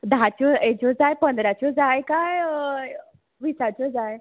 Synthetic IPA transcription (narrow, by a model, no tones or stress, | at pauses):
d̪at͡ɕɔed͡ʑɔd͡zajpənd̪ɾat͡ɕɔd͡zajkaj | ʋisat͡ɕɔd͡zaj